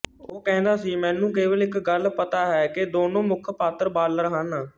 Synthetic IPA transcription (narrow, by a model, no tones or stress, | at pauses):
oːkɛ̃ːnd̪aːsiːmɛ̃ːnũːkeːʋəlɪkɡəlpət̪aːɦɛːkɪd̪oːnõːmʊkʰpaːt̪əɾbaːlɾəɦãːnaː